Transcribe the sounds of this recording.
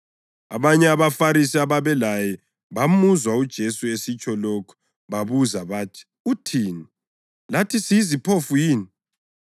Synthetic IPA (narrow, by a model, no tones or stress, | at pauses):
aβaɲɛaβafaɾisiaβaβɛlajɛ | βamuzwaud̥ʒ̥ʱesuesit͡ʃʼɔlokʰu̥ | βaβuzaβaːtʰi̥ | utʰini | latʰisiizipʰofujiːni